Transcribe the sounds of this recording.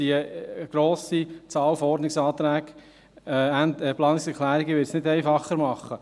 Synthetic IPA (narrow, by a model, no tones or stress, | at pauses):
iəɡ̥ɾoːsit͡sɑːlfɔɔɾdnɪksɑːt̪ɾæːɡ̥ | ændɛplɑːnɪksɛɾkʰχlæːɾiɡəʋɪɾsnɪdɛɪfɑχːəɾmɑχːə